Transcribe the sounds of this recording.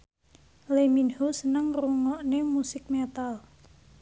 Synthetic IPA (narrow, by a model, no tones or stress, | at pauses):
leminhusənəŋruŋɔʔnemusɪk̚mɛt̪al